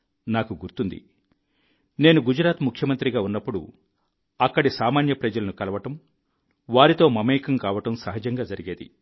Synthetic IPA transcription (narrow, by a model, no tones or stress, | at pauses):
naːkuɡuɾt̪und̪ḭ | ne̞ːnuɡud͡ʒɾaːt̪mukʰjɐmɐnt̪ɾiɡaːunːɐpːuɽṵ | ɐkːɐɽisaːmaːnjɐpɾɐd͡ʒɐlɐnukɐlɐʋɐʈɐm | ʋaːɾit̪o̞ːmɐmeːkɐmkaːʋɐʈɐmsɐɦɐd͡ʒɐŋɡaːd͡ʒɐɾiɡeːd̪ḭ